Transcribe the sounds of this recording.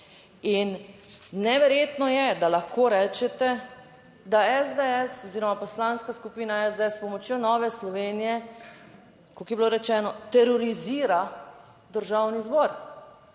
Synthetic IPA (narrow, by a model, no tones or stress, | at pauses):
inː | ɛʋɛɾjeːt̪nɔjɛd̪alaxkoːɾɛːt͡ʃɛt̪ɛ | d̪aɛzd̪eɛsɔziːɾɔmapɔslaːnskaskupiːnaɛzd̪eɛspɔmɔt͡ʃjonɔːʋɛslɔʋeːnijɛ | kokjɛbiloɾɛt͡ʃɛːnɔt̪ɛɾɔɾiziːɾa | d̪əɾʒawnizbɔɾ